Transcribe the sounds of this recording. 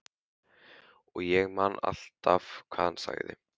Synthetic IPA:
ɔɣjɛɣmanːa̰l̥t̪avkʰvaːðhansa̰ɣðɪ̰

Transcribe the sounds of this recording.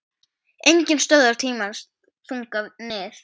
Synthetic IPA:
ejɲcɪnst̪œːðaɾ̥t̪ʰiːmans | θuŋkavnɪːθ

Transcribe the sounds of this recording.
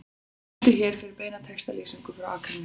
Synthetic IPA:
t̪ɪçɛːɾ̥fɪɾɪɾpeːjnat̪ʰɛxst̪aleːsiŋkʏ̥fɾawa̰ːkʰɾanː

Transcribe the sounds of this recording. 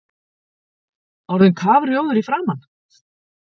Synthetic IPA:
ɔɾðɪnkʰaːvɾjoːwðʏɾifɾaːman

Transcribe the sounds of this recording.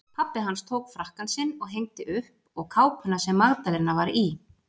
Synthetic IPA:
pʰapːɪɦanst̪ʰoːwkfɾahkansɪnːɔɣɦejŋ̚t̪ɪʔʏhp | ɔɣkʰaːwpʰʏnːasɛmːaɣt̪alɪɾnavaɾi

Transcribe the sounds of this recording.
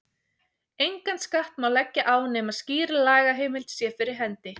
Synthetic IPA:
ejŋkant̪skaht̪mawlɛcːaʔaːwnɛːmasciːɾɪlaːjɣaɦeːjmɪlt̪sjɛfɪɾɪɾ̥ɦɛnt̪ɪ

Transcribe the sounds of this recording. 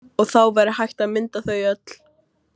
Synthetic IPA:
ɔɣθawvɛɾɪhajht̪aðmɪnt̪aθœɥœt̪l̥

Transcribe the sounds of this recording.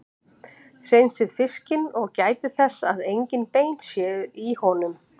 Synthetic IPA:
hr̥ejnsɪð̥fɪscɪnɔɣcaːjt̪ɪθɛsːaðejɲcɪnpejnt̪sjɛːðʏihɔnʏm

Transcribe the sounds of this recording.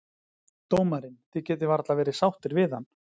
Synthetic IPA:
t̪oːwmaɾɪnθɪcɛːt̪̬ɪvaɾt̪lavɛːɾɪsawht̪ɪɾvɪðan

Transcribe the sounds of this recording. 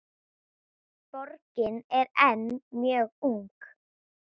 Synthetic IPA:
pɔɾcɪnɛɾɛnmjœːɣuŋk

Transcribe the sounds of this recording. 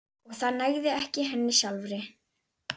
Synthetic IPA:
ɔɣθaðnajɣðɪɛhcɪɦɛnːɪsjalvɾɪ

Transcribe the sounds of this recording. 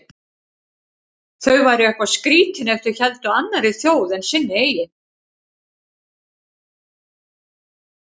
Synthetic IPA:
θœɥvajɾɪɛhkvaskɾiːc̪ɪnɛft̪ʏɾçɛlt̪ʏanːaɾiθjoːwðɛnsɪnːɪeːjɪn

